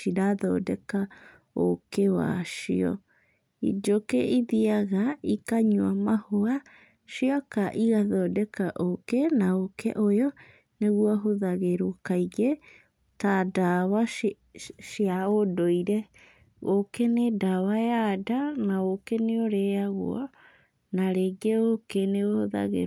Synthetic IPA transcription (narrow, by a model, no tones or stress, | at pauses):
iɾaðɔ̰dɛka | o̰kewa̰ʃḭɔ̰ | ḭd͡ʒokeʔiðiaɣaikaɲuamahoa | ʃiakaʔiɣaðɔdɛkaʔokɛnaokɛ̰ʔojɔ | neɣwɔɦoðaɣeɾokaiɣe | tadawa | ʃjaodoiɾɛ | ɣokenedawajadanaɣokɛneoɾɛaɣw̰ɔ̰ | naɾeɡeokeneohoða̰ɣḛ